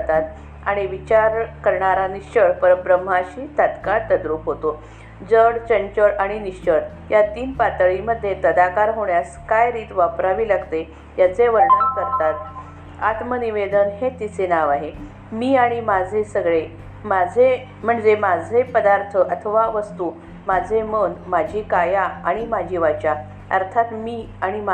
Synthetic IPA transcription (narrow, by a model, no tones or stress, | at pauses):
t̪at̪ | aɽ̃iʋit͡ɕaɾkəɾɳaɾaniɕt͡ɕəɭpəɾəbɾəm̤ːaɕiːt̪at̪kaɭt̪əd̪ɾuːpɦot̪o | d͡zəɽt͡ɕəɲt͡ɕəɭaɽ̃iniɕt͡ɕəɭ | jat̪iːnpat̪əɭiməd̪ʱːjet̪əd̪akaɾɦoɳjaskajɾiːt̪ʋapɾaʋiːlaɡt̪e | jat͡seʋəɾɳənkəɾt̪at̪ | at̪məniʋed̪ənɦet̪it͡senaʋaɦe | miːaɽ̃imad͡zʱesəɡɭe | mad͡zʱe | m̤əɳd͡zemad͡zʱepəd̪aɾt̪ʰəʔət̪ʰəʋaʋəst̪u | mad͡zʱemənd̪mad͡ʑʱiːkajaaɽ̃imad͡ʑʱiːʋat͡ɕa | ə̰ɾt̪ʰat̪miː | aɽ̃ima